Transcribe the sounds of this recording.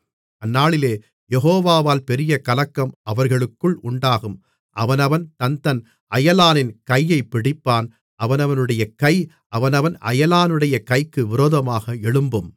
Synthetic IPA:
ʔɐnːaːɭɪleː | jɛɦoːʋaːʋaːlpɛɾɪjɐkɐlɐkːɐmʔɐʋɐɾɣɐɭɯkːɯɭʔʊɳɖaːɣɯm | ʔɐ̰ʋɐnɐʋɐnt̪ɐnt̪ɐn | ʔɐjɐlaːnɪnkɐjːɐɪpːɪɽɪpːaːn | ʔɐʋɐnɐʋɐnɯɽɐjɐkɐɪ | ʔɐʋɐnɐʋɐnɐ̰jɐlaːnɯɽɐjɐkɐɪkːɯʋɪɾoːðɐmaːɣɐɛɭɯmbɯm

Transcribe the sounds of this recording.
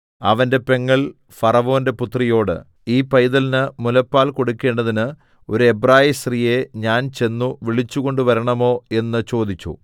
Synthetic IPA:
ɐ̰ʋɐnde̞pe̞ŋːɐɭ | fɐrɐʋo̞ːnde̞put̪rijo̞ːɽɨ̰ | iːpɐjðɐlnɨmulɐpːaːlko̞ɽukːe̞ːɳɖɐðinɨ | o̞ɾue̞braːjisrije̞ɲaːnt͡ɕe̞nːuʋiɭit͡ɕːuɣo̞ɳɖuʋɐɾɐɳɐmo̞ːe̞nːɨt͡ɕo̞ːd̪it͡ɕːṵ

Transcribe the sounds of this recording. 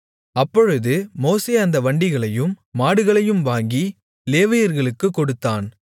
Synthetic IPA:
ɐpːɔɻɯðɯmoːseːɐnd̪ɐʋɐɳɖɪɣɐɭɐjɯmːaːɽɯɣɐɭɐjɯmʋaːŋɡi | leːʋɐjɐɾɣɐɭɯkːɯkːɔɽɯt̪ːaːn

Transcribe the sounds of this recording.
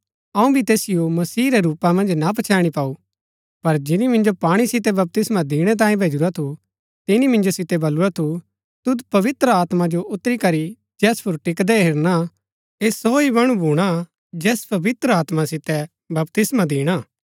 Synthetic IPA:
ɐũbʱit̪eːsɪjomɐsiːɾɛɾuːpamɐ̃nd͡ʒnap̬ɐt͡ʃʰaːɽ̃ipaːu | pɐɾd͡ʒɪnimɪ̃nd͡ʒopaːɽ̃isɪt̪ɛbɐp̚t̪ɪsmãd̪iːɽ̃ɛt̪̬ãːjẽbʱeːd͡ʒuɾat̪ʰu | t̪ɪnimɪ̃nd͡ʒosɪt̪ɛbɐlːuɾat̪ʰu | t̪ʊd̪pɐʋɪt̪ɾəaːt̪mad͡ʒoʔʊt̪ːɾikɐɾi | d͡ʒɛːspʊɾʈɪkd̪ɛɦɪɾna | eːsɔːibɐɽ̃ũbʱuːɽ̃a | d͡ʒɛːspɐʋɪt̪ɾəaːt̪masɪt̪ɛ | bɐp̚t̪ɪsmad̪iːɽ̃aː

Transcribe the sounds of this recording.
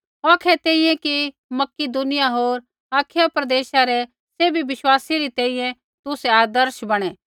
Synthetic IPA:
ɔːkʰɛt̪ɛ̃ːĩjɛ̃ki | mɐkid̪ʊnɪjaɦoːɾ | aːkʰɪjapɾɐd̪eːʃaɾɛ | seːbʱiʋɪʃwaːsiɾit̪ɛ̃ːĩːjɛ̃ | t̪ʊsɛaːd̪əɾʃbɐɽ̃ɛː

